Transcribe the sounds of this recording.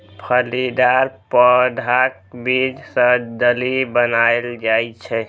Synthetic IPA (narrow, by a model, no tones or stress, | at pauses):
pʰəlid̪aɾpəd̪ʱak̚bid͡ʒsə̃d̪əlibənaeld͡ʒajt͡ʃʰɛ